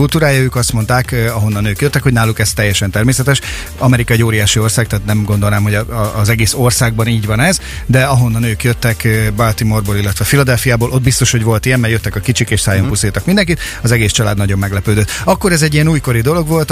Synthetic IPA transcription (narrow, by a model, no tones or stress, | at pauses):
ult̪uːɾaːjɒøːkɒst̪mo̞nt̪aːkɒɦo̞nːɒnøːkjøt̪ːɛkho̞ɟnaːlukɛst̪ɛjːɛʃɛnt̪ɛrmeːsɛt̪ɛʃ | ɒmɛɾikɒɛɟoːɾijaːʃio̞rsaːɡ̚kt̪aːt̪nɛmɡo̞nd̪o̞lnaːmɦo̞ɟːzɛɡeːsorsaːɡ̚bɒniːɟʋɒnɛz | d̪ɛɒɦo̞nːɒnøːkjøt̪ːɛkːbalt̪imorboːlilːɛt̪ʋɛfilɒd̪ɛlfijaːboːlʔo̞d̪̚bist̪o̞ʃho̞ɟʋo̞lt̪ijɛmːɛjøt̪ːɛkɒkit͡ʃikeːʃsaːjompust̪ilt̪ɒkmind̪ɛŋkit̪ | ɒzɛɡeːst͡ʃɒlaːd̪nɒɟo̞mːɛɡlɛpøːd̪øt̪ːɒkːo̞ɾɛzɛɟːijɛnuːjko̞ɾid̪o̞lo̞ɡʋo̞lt̪